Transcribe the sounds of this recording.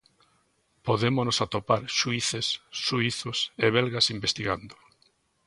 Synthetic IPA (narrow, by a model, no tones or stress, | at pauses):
poðemonosat̪opaɾʃuiθesːuiθʊseβɛlɣɐsimbest̪iɣand̪ʊ̥